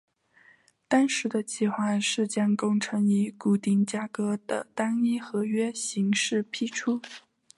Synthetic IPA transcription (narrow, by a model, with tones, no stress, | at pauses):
t̪ɑ˥nʂɻ̩˧˥d̪ə˧t͡ɕʰi˥˩xwa˥˧nʂɻ̩˥˩t͡ɕjɑ˥ŋkʊ˥ŋʈ͡ʂʰɤ˧˥ŋi˧˥ku˨˩t̪i˥˩ŋt͡ɕja˥kɤ˧˥d̪̥ə̰˨t̪a˥ni˥xɤ˧˥ɥɛ˥ɕi˧˥ŋʂɻ̩˥˩pʰi˥˩ʈ͡ʂʰu˥